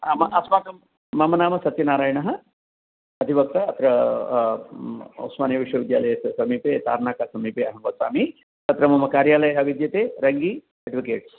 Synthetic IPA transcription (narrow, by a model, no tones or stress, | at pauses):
amɐʔɐsmaːkɐm | mɐmɐnaːmɐsɐt̪inaːɾaːjɳɐɦɐ̆ | ɐd̪ʱiʋɐk̚t̪ɐɐt̪ɾɐ | o̰smaːnjiʋiʂʋɐʋid̪jaːlɐjesɐsɐmiːpeːt̪a̰ːɾnaːkaːsɐmiːpeɐɦɐmʋɐsa̰ːmi | t̪ɐt̪ɾɐmɐmɐkaːɾjaːlɐjɐɦɐʋid̪jɐt̪eːɾɐŋɡiː | eɖʋikḛːʈs